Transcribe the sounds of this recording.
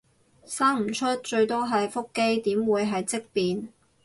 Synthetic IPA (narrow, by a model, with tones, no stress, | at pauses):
saː˥ŋm̩˨˩t͡ʃʰɵ˥t̚t͡ʃɵ˧ɥt̪ɔː˥ɦɐ˨jfʊ˥kːe˥jt̪iː˨˥mwuː˨˧jɦɐ˨jt͡sɪ˥k̚piː˨n